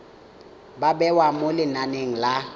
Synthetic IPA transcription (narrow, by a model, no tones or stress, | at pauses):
babɛwamolɪnaneŋ̩la